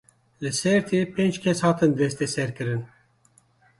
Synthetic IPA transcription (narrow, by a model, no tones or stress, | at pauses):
lɨsɛɾt̪ʰeːpʰeːnd͡ʒkʰʲɛshɑːt̪ɨnd̪ɛst̪ɛsɛɾkɨɾɨn